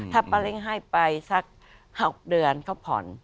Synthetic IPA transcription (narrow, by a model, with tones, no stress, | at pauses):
t̪ʰaː˧˩pa˧le˧˥˩ŋɦa˥˩jpa˧jsa˦˥k̚ | ha˨˩k̚dɯ˧ənkʰa˧˥˩wpʰɔ̰˨˩˦n